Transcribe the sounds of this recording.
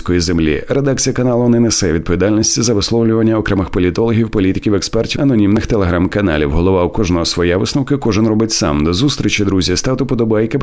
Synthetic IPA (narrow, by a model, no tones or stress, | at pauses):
kɔjizemlʲḭɾed̪ak̚t͡sʲijɐkɐnɑlˠʊnɪnesɛʋʲid̪pɔʋʲid̪alʲnʲisʲtʲizɐʋɪslˠɔwlʲʊʋɐnʲːɐɔkɾɛmɪxpɔlʲit̪ɔlˠɔɦʲiwpɔlʲit̪ɪ̥kʲiwɛkspɛrtʲiɐnɔnʲimnɪxt̪elˠeɦɾamkɐnɑ̰lʲḭwɦɔlˠɔʋɑwkɔʒnɔɦɔsʋɔjɛʋɪsnɔwkɪkɔʒɪnrɔbɪtʲsa̰md̪ɔzust̪ʲɾʲit͡ʃɐd̪ɾuzʲɐst̪ɑt̪ʊpɔd̪ɔbajɛke